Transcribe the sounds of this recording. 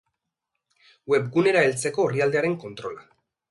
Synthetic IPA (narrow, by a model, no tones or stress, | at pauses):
we̞bɡune̞ɾae̞lt͡se̞ko̞ːriald̪e̞aɾe̞ŋko̞nt̪ɾo̞la